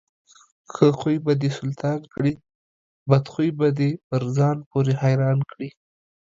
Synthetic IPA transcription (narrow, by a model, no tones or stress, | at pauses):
xəxujbad̪esʊlt̪ʰɑnkɽi | bad̪xujbad̪epəɾzɑnpoɾehajɾɑnkɽi